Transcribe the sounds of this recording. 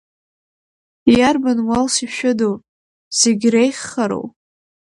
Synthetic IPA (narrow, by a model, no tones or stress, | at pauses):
jarbanwalsiʃᶣʊdow | z̥eɡʲrejχːaɾo̰w